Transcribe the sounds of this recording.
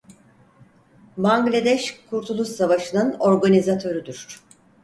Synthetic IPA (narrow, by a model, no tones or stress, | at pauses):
baŋɡlʲad̪ɛʃkʰuɾt̪ʰulˠusavaʃɯnɯno̞ɾɡanʲizat̪ʰø̞ɾyd̪yɾ̥